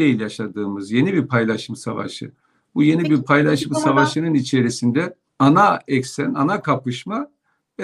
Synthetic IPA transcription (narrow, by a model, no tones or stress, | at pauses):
ejilʲjaʃad̪ɯːmɯzje̞nibiɾpʰajlˠaʃɯmsa̰va̰ʃɯ̰ | buje̞nibiɾpʰajlˠaʃɯmsavaʃɯnɯnit͡ʃʰe̞ɾisind̪ɛ | anaɛksænanakʰapɯʃma | ɛ